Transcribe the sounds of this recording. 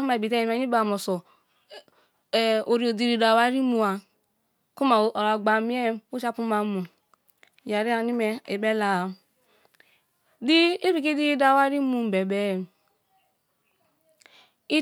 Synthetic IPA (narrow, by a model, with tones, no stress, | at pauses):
u˦ma˨i˨bi˨te˦i˨mɛ˦i˦ba˨mɔ˨sɔ˨ | o˨ɾi˨˦o˨di˨ɾi˨da˨wa˦ɾi˦mu˨a˨ | ku˦ma˨ɾa˨ɡ͡ba˨mi˦ɛ˦u˦t͡ʃa˦pu˦ma˨˦mu˨ | ja˨ɾi˦a˨ni˦mɛ˨e˨bɛ˦la˨ | di˦i˦ɾi˦˨ki˦di˦da˨wa˦ɾi˦mu˨m̩˨bɛ˨bɛ˦˨ | i˦